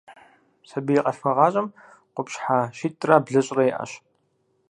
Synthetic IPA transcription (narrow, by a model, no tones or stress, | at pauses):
sɐbijːqʼɐɬxɐʁɑːɕʼɐm | qʷʊpɕħaʃiːtʼrabɮɐɕʼrɐjʔɐ̰ɕ